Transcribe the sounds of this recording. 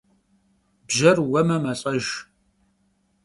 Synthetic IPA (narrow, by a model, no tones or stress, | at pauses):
bʒɐrwɐmɐmɐɕʼɐʒ